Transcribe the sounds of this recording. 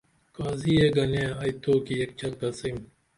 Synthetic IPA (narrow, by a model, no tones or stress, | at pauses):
kaːziːeɡɐnẽːɐjt̪ʰoːkiek̚t͡ɕɐlkɐsim